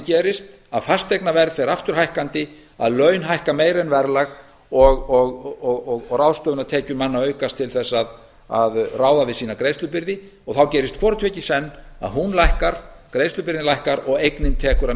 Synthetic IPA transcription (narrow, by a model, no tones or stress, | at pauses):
cɛːɾɪst̪ | aðfast̪ejknavɛɾðfɛɾaft̪ʏɾ̥hajhkant̪ɪ | a̰ðlœːɥnɦajhkameːjɾɛnvɛɾlaɣ | ɔɣɔɣɔɣɔɣɔɣrawst̪œːvʏnaðt̪ʰɛːcʏmanːaœːɥkast̪ʰɪlθɛsːað | a̰ðraːwðavɪðsiːnakɾeːjst̪lʏpɪɾðɪ | ɔɣθawcɛːɾɪst̪kʰvɔːɾʏt̪ʰvɛcɪsɛnːa̰ðɦunlajhkaɾ̥kɾejst̪lʏpɪɾðɪnlajhkaɾɔɣejknɪnt̪ʰɛːkʏɾa